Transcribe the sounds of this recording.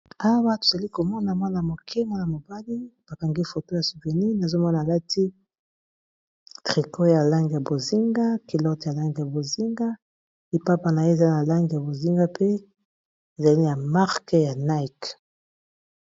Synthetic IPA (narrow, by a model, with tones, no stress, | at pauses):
a˦wa˦to˨za˨li˦ko˨mɔ˦na˨mwa˦na˨mo˨kʰɛ˦ma˦na˨mo˨ba˦li˦b̥a˨ka˨ŋɡi˦fo˨to˦ja˨su˨ve˨ni˦na˨zo˦mɔ˦naː˨la˦ti˦ | tʁi˨kʰo˦ja˨la˦ŋɡi˨ja˨bo˨zi˦ŋɡa˦ki˨lɔ˦tja˨la˦ŋɡi˨ja˨bo˨zi˦ŋɡa˦ | i˨pa˦pa˨na˨je˦˨za˦na˨la˦ŋɡi˨ja˨bo˨zi˦ŋɡa˦pʰe˦ | e˨za˨li˦na˨ma˦ʁke˦ja˨na˦i˨k